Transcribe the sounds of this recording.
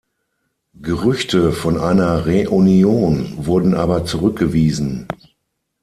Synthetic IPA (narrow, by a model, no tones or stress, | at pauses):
ɡ̥əʁʏçtʰəfɔnʔaɪnɐʁeʔunjoːnvʊɐdn̩ʔaːbɐt͡suʁʏk̚ɡ̥əviːzn̩